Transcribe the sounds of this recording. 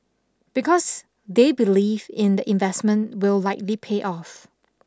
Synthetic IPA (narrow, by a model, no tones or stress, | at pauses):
b̥ikɔs | debilivɪ̃ndəʔɪ̃nvɛsmə̃nwɪllaɪk̚lipʰeʔɔf